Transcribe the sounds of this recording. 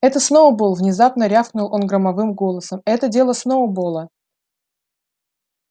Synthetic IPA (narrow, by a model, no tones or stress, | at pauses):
ɛt̪əsnovəbɨlˠvnʲɪzapnəɾʲafknʊlˠo̞nɡɾəmɐvɨmɡo̞lˠəsəmɛt̪ədʲe̞lˠəsnovəbolˠə